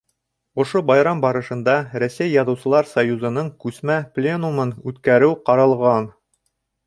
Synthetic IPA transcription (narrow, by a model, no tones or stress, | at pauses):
ŏʃobɑjɾɑmbɑɾɤ̆ʃɤ̆nd̪ɑɾæsæjːɑðɤ̆wsɤ̆lˠɑɾsɐjuzɤ̆nɤɴkʉsmæplʲenumɤnʉt̪kæɾɘwqɑɾɑlˠʁɑn